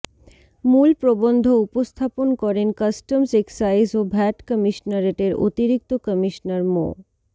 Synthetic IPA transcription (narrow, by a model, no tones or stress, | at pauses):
mulpɾobond̪ʱoupost̪ʰaponkɔɾenkəsʈəmseksajsobʱɛʈkəmiʃnaɾeʈeɾo̰t̪iɾik̚t̪okəmiʃnaɾmo̰